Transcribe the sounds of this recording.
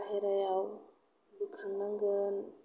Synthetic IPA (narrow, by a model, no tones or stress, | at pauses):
ɦeɾajaw | dukʰanːəŋɡən